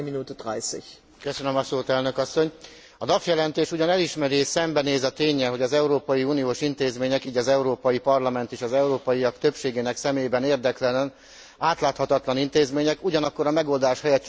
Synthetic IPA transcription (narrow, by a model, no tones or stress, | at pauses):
minuːt̪odʁa̰ɪsiç | køsønømɒsoːt̪ɛlnø̞kɒsːo̞ɲ | ɒd̪ɒfjɛlɛnt̪eːʃuɟɒnɛliʃmɛɾisɛmbɛneːzɒt̪eːɲːɛlɦo̞ɟɒzɛuɾoːpɒjiuːnijoːʃint̪eːzmeːɲɛkiːɟɒzɛuɾoːpɒjipɒrlɒmɛnt̪eːʃɒzɛuɾoːpɒjiɒkt̪ø̞pʃeːɡeːnɛksɛmeːjbɛneːrd̪ɛklɛlɛn | aːt̪laːt̪hɒt̪ɒt̪lɒnint̪eːzmeːɲɛkuɟɒnɒkːo̞ɾɒmɛɡo̞ld̪aːʃhɛjɛt̪t͡ʃ